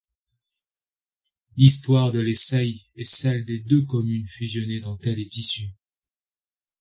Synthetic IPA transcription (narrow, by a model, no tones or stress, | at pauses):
list̪waʁd̪əlesɛj | ɛsɛld̪ed̪økɔmynfyzjɔned̪ɑ̃t̪ɛlet̪isy